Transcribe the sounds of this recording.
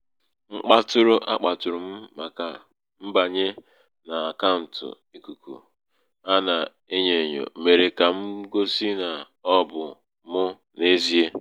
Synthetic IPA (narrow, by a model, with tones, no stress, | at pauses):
ŋ͡m̩˦k͡pa˦tʊ˦ɾʊ˦ʔa˦k͡pa˨tʊ˨ɾʊ˨m̩˦ma˨ka˨ | m̩˦ba˨ɲe˦ | na˨a˨ka˦n̩˨tʊ̰˨ | i˦ku˨kṵ˨ | a˦na˨ | e˦ɲe˨ɲo̰˨me˨ɾe˨ka˨m̩˦ɡo˦si˦na˨ | ɔ˦bʊ˨ | mʊ˦ | ne˦zi˦e˦